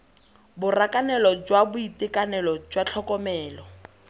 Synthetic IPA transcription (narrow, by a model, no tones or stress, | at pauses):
bʊrakanɛlɔd͡ʒwabʊitɪkanɛlɔd͡ʒwat͡ɬʰɔkɔmɛːlɔ